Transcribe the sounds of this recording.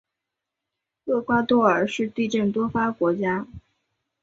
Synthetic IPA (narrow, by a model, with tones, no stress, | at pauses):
kɤ˥˩kwa˥t̪wɔ˥˩ə˞˨˩ʂɻ̩˥˧t̪i˥˧ʈ͡ʂə˥˩nt̪wɔ˥fa˥kwɔ˧˥t͡ɕja˥